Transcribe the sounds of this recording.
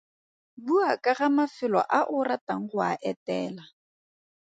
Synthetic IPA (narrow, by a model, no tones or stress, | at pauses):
buakʼaɣamafɪlɔ̰ʔaʔʊrataŋ̩χʊaʔɛtɛːla